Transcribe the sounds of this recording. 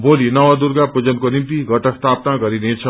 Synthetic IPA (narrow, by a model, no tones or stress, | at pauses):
bolinʌʋad̪uɾɡapud͡zʌnkonimt̪iɡʌʈʌst̪ʰapnaɡʌɾinet͡sʰʌ